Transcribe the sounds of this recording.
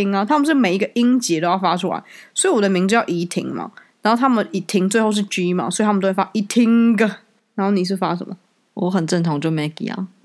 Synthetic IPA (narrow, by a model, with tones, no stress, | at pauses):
ŋa˨t̪ʰa˥mə˨nʂ̬ɻ̩˥˩me˨˩ɪi˦˥ɡə˨ʔi˦ŋt͡ɕɛ˧˦t̪o˥ʊjɑ˥˧˩fa˥ʈ͡ʂʰu˥la̰˧˦ɪsɔ˧˥i˨wɔ˨˩də˦mi˧˥ŋt͡s̩˥˧˥jɑ˥˩ʔi˧˥t̪ʰḭ˧˥ŋma̰˨a˨˦nxo˥˧ʊt̪ʰa˥mə˨ni˨˩t̪ʰi˧˥ŋt͡swe˥˧ɪxo˥˧ʊʂ̬ɻ̩˥˩t͡ɕi˦˥ma̰˨swɔ˧˦˥i˨t̪ʰa˥m˨˧o˥we˥˩fa˦˥ʔi˨˧t̪ʰi˧˦ŋɡə˨ | na˨˦no˥˩ʊni˨˩ʂ̬ɻ̩˥˩fa˦ʂə̰˨˦mə˨˩ | wɔ˧˦xə˨˩nʈ͡ʂə˥˩ŋt̪ʰɑ˧˥ŋt͡ɕjo˥˩ʊme˨˧˥ɪkḭ˨˩˦a̰˨˩